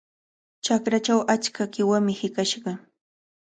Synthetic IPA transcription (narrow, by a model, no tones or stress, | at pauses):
t͡ʃakɾat͡ʃawʔat͡ʃkakɪwamɪhɪkaʃɢɑ